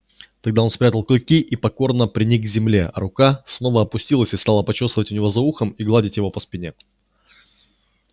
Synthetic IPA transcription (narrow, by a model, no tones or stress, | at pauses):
t̪ɐɡd̪ao̞nspɾʲat̪əlˠklʲɪkʲiʔipɐko̞rnəpɾʲɪnʲikɡ̚ɡzʲɪmlʲḛʔɐ̰ɾʊkasno̞vəɐpʊsʲtʲilˠəsʲɪ̥st̪ɑlˠəpɐt͡ɕust̪əvətʲʊnʲɪvo̞zɐuxəmiɡlˠadʲɪtʲjɪvo̞pəspʲɪnʲe̞